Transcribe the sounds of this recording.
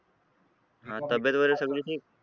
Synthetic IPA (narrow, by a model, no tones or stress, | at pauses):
ɦãt̪əbjət̪ʋəɾesəɡliːʈʰiːk̚